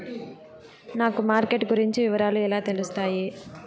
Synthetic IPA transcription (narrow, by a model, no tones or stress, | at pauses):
naːkumaːɾkeʈɡuɾiɲt͡ʃiʋiʋɐɾaːluɛlaːt̪e̞lust̪aːji